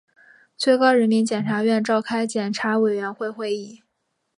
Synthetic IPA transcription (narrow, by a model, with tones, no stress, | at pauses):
t͡sʰwe˥˧ɪkɑ˥ʊɻə˧˥nmi˧˥nt͡ɕjɛ˨˩nʈ͡ʂʰa˧˥ɥɛ˥˧nʈ͡ʂɑ˥˩ʊkʰa˥ɪt͡ɕjɛ˨˩nʈ͡ʂʰa˧˥we˨˩ɪɥɛ˧˥nxwe˥˧ɪxwe˥˧ɪi˥˩